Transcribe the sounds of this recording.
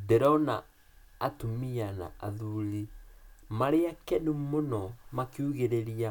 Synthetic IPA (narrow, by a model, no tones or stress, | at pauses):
dɛɾɔnaː | tumiana̰aðulimaɾeakɛnumonɔmakiuɣeɾeɾia